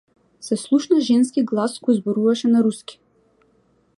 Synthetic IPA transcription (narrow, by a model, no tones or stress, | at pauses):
sɛslˠuʃnaʒɛns̬kiɡlˠaskɔjzbɔɾuvaʃɛnaɾuskʲi̥